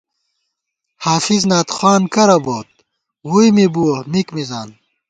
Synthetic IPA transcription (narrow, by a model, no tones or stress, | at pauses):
haːfiznaːt̪χwaːnkɐɾɐboːt̪̚ | wujmibuomikmizaːn